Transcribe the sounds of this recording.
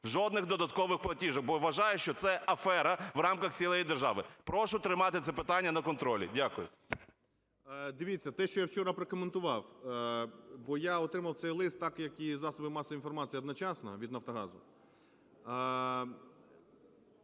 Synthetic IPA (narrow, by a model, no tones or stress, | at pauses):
ʒɔd̪nɪɣd̪ɔd̪ɐt̪kɔʋɪxplˠɐtʲiʒɐk̚bɔʋːɐʒɑjʊʃt͡ʃɔt̪sɛʔɐfɛɾɐʋrɑmkɐxt͡sʲilˠɔjid̪erʒɑ̰ʋɪpɾɔʃʊt̪ɾɪmɑt̪ɪt̪ɛpɪt̪ɑnʲːɐnɐkɔnt̪ɾɔlʲḭdʲakʊjʊ̰ | d̪ɪʋʲit͡sʲːɐt̪ɛʃt͡ʃɔjawt͡ʃɔɾɐpɾekɔment̪ʊʋɑw | bɔjaɔt̪ɾɪmɐwt̪sɛjlˠɪst̪ːɑkjɐkizɑsɔbɪmɑsɐinfɔrmɑt͡sʲijɐd̪nɔt͡ʃɑsnɐ̰ʋʲid̪nɐft̪ɔɦɑzʊ